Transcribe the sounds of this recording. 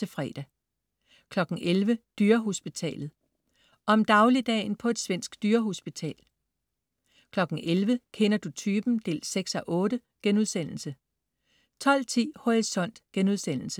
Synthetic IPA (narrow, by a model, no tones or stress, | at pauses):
e̝fʁɛ̰ːd̥æ | kʰlɒ̽ɡ̥n̩ʔelʋəd̥yːɐɦo̝sb̥it͡sʰɛ̰ːlð̩ˠ | ʔɒ̽ɒ̽md̥ɑ̈ʊlid̥ɛ̰ːnpʰɒ̽e̝d̥sʋen̰sɡ̥d̥yːɐɦo̝sb̥it͡sʰɛ̰ːl | kʰlɒ̽ɡ̥n̩ʔelʋəkʰenɐd̥ut͡sʰyːb̥n̩d̥e̝̰ːlseɡ̥sɒʔɔ̽ːɾ̥ə | ɡ̥enuð̞ˠsen̰l̩sə | t͡sʰɒ̽l̰t͡sʰḭːho̝ʁisɒ̽n̰d̥ɡ̥enuð̞ˠsen̰l̩sə